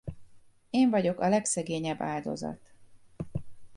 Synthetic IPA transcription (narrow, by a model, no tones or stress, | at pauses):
eːɱvɒɟo̞kɒlɛksɛɡeːɲɛbːaːld̪o̞̰zɒ̰t̪